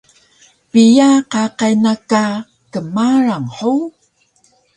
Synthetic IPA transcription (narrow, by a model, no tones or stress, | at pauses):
pijaqaqajnaka | kəmaɾaŋħu